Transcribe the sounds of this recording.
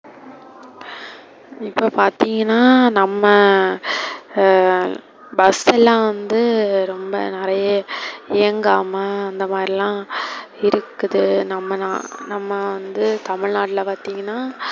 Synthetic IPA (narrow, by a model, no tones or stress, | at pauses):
ɪpːoːpaːɾt̪iːŋɡɐnːaːnɐmːɐ | bɐsɛlːãːʋɐnd̪ɯɾɔmbɐ̰nɪɾɐjɐeːŋɡaːmɐːnd̪ɐmaːd̪ɾilãːɪɾɯkːɯðɯnɐmːɐnanɐmːɐʋɐnd̪ɯt̪ɐmɪɻnaːʈɪlɐpaːɾt̪iːŋɡɐnːaː